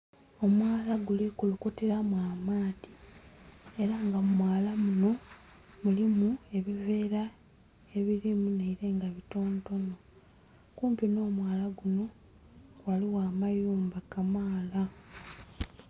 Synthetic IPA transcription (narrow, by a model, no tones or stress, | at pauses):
o̞mwaːlaɡulikulukuteɾamwaːmaːdi | e̞ɾaŋɡammwaːlamuno̞ | mulimue̞βive̞ːɾa | eβiɾimuneiɾe̞ːŋɡaβito̞ːnto̞no̞ | kuːmpino̞ːmwaːlaɡuno̞ | waliwaːmajuːmbakamaːla